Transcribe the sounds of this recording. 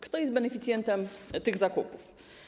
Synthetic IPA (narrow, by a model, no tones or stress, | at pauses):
kt̪ɔjɛst̪bɛnɛfʲit̪sʲjɛnt̪ɛmt̪ɘɣzakupuf